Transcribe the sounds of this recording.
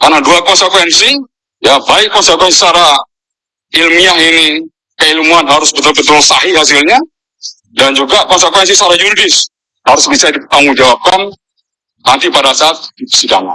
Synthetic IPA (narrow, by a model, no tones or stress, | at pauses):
karnaduakɔnsəkwɛnsi | jabaɪkːɔnsəkwɛnsisaɾa | ilmiahini | kəilmuanɦaɾʊsbət̪ʊlbət̪ʊlsaɦiɦas̬ɪlɲa | dand͡ʒuɡakɔnsəkwɛns̬isaɾajuɾidɪs | haɾʊsbisadipət̪aŋuŋd͡ʒawap̚kan | nant̪ipadasaːt̪̚sikama̰